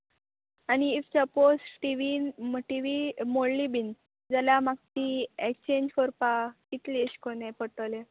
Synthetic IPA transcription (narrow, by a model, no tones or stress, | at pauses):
aniːfsəposʈiʋinʈiʋimoɽlibin | d͡zaljamaɡ̚t̪iekt͡ɕẽɲd͡ʑkɔɾpakit̪lieɕkonepəʈəle